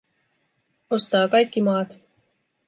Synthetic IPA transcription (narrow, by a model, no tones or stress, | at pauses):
ost̪ɑːkɑjkːimɑːt̪